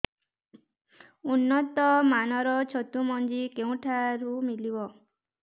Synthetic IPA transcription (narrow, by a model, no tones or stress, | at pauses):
unːɔt̪ɔmanɔɾɔt͡ʃʰɔt̪umɔnd͡ʒikeũʈʰaɾumilibɔ